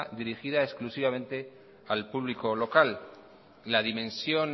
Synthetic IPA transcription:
d̪iɾixiðaesklusiβ̞amẽ̞nt̪e̞ | alpuβliko̞lo̞kalː | aðimẽ̞nsjo̞n

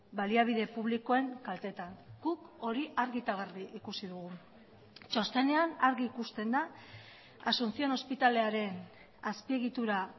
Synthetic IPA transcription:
baliaβ̞iðe̞puβliko̞e̞ŋkalt̪e̞t̪aŋɡ̥uko̞ɾiʔaɾɣit̪aɣariʔikusiðuɣ̞u | t͡ʃost̪e̞ne̞anaɾɣiːkust̪e̞nd̪a | asunt͡sio̞no̞spit̪ale̞aɾe̞n | aspie̞ɣit̪uɾa

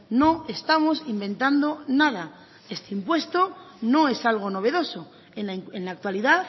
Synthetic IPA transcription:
no̞est̪amo̞simbẽ̞nt̪and̪o̞nað̞a | e̞st̪eimpwe̞st̪ono̞e̞salɣ̞ono̞βe̞ð̞o̞so | eenlak̚t̪waliðaθ

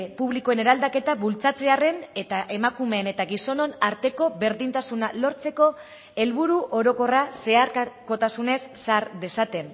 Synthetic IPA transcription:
puβlikoe̞ne̞ɾald̪ake̞t̪aβult͡sat͡se̞are̞ne̞t̪aʔe̞makume̞ne̞t̪aɣiso̞no̞naɾt̪e̞ko̞βe̞ɾðint̪asunalo̞ɾt͡se̞ko̞ | e̞lβuɾuʔo̞ɾo̞ko̞rase̞aɾkako̞t̪asune̞sːaɾd̪e̞sat̪e̞n

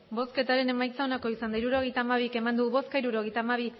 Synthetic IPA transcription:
bo̞ske̞t̪aɾe̞ne̞majt͡sao̞nako̞isand̪aiɾuɾo̞ɣ̞e̞jt̪aːmaβ̞ike̞mand̪uβo̞skaiɾuɾo̞ɣejt̪aːmaβ̞i

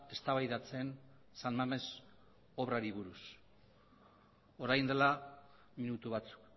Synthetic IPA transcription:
e̞st̪aβajðat͡se̞n | sanmame̞s | o̞βɾaɾiβuɾus | o̞ɾajnd̪e̞la | minut̪uβat͡su̥k

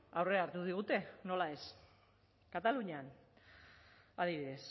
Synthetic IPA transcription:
awre̞aːɾt̪uðiɣ̞ut̪e̞no̞lae̞s | kat̪aluɲean | að̞iβiðe̞s

